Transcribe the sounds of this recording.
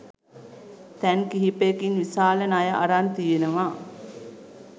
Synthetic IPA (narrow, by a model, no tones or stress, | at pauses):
t̪ɛŋkiɦipekinʋisaːlənajəʔɐɾant̪ijenəʋaː